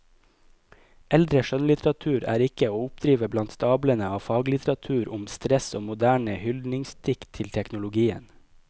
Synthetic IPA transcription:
ɛld̪ɾəʃœnlɪt̪ɾɑt̪ʰʉːɾæ̰ːɾɪkəoːʊpd̪ɾiːʋəblɑnt̪st̪ɑːblənəɑːfɑːɡlɪt̪ɾɑt̪ʰʉːɾʔʊmst̪ɾɛsoːmʊd̪æːɳəhʏld̪nɪŋst̪ʰɪkt̪ʰɪlt̪ʰɛknʊlʊɡiːə̰n

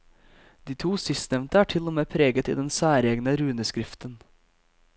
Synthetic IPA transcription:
d̪̥iːt̪ʰuːsɪst̪nɛʋnt̪əæːʈʰɪlomeːpʰɾeːɡət̪ḭːd̪ɛnsæːɾeːɡnəɾʉːnəskɾɪft̪ən

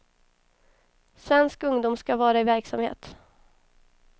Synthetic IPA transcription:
svɛnskɵŋd̪ʊːmskavɑːɾaɪvæɾksamhḛːt̪

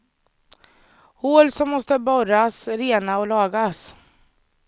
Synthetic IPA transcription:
hoːlsɔmːɔst̪əbɔɾasɾeːnaɔlɑːɡas

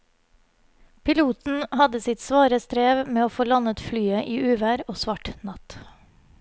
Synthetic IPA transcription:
pʰɪluːt̪n̩hɑd̪əsɪt̪sʋɑːɾəst̪ɾeːʋmeːoːfoːlɑnət̪flyːəʔiːʔʉːʋæːɾoːsʋɑʈnɑt̪

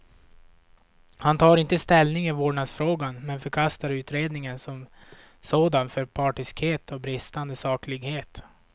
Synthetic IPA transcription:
hant̪ʰɑːɾɪnt̪əst̪ɛlnɪŋɪvoːɖɳaɡsfɾoːɡanmɛnfœɾkʰast̪aɾʉ̟ːt̪ɾeːd̪nɪŋənsɔm | soːd̪anfœɾpʰɑːʈɪskheːt̪ʰɔbɾɪst̪and̪əsɑːklɪɡheːt̪

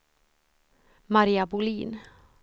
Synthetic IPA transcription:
maɾiːabʊliːn

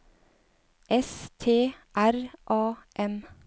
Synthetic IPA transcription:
ʔɛst̪ʰeːʔæɾʔɑːʔɛm

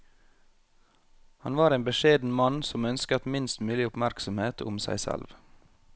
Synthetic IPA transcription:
hɑnʋɑːɾeːnbəʃeːd̪n̩mɑnsɔmœnskət̪mɪnst̪mʉːlɪʊpmæɾksɔmheːt̪ʰʊ̰msæ̰ɪsɛ̰lʋ

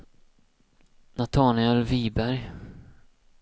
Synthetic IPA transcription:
nat̪ʰɑːnɪɛlviːbæɾj

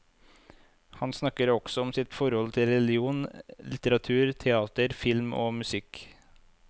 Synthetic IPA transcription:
hɑnsnɑkəɾɔɡ̥sɔɔmsɪt̪fɔɾhɔlt̪ʰɪlɾɛlɪuːnlɪt̪əɾɑt̪ʰʉːɾt̪ʰɛɑːt̪əɾfɪlmʔo̰ːmʉsɪk

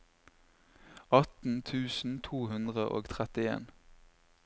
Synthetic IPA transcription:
ɑt̪n̩t̪ʰʉːsn̩t̪ʰuːhʉnd̪ʁəʔo̰ːɡt̪ʰʁɛt̪ɪḛːn

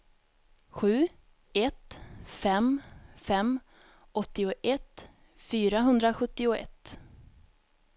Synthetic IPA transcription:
ɧʉ̟ː | ɛt̪fɛmfɛmː | ʔɔt̪ːɪʊʔɛt̪ | fyːɾaɦɵnd̪ɾaɧɵt̪ːɪʊɛ̰t̪ː

